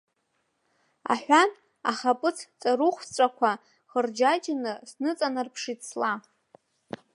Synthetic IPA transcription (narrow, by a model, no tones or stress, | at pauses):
a̰ħʷᶣan | a̰χapʼɨt͡sʰt͡sʼaɾuχʷt͡sʷʼakʷʰa | χərd͡ʒajt͡ʃʼanɨsnɨt͡sʼanɨrpʰʂit͡sʰla